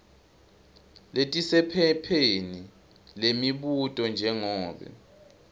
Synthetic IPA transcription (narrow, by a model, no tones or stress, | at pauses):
letʼisɛpʰɛpʰeni | lemiɓutʼɔnd͡ʒʱɛŋɔːɓɛ̰